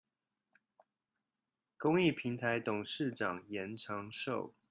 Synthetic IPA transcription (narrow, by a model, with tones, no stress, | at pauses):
kʊ˥ŋi˥˩pʰi˨˥ŋt̪ʰa˧˦ɪt̪ʊ˨˩ŋʂɻ̩˥˨ʈ͡ʂɑ˨˩ŋjɛ˨˦nʈ͡ʂʰɑ˧˦˥ŋʂo˥˨ʊ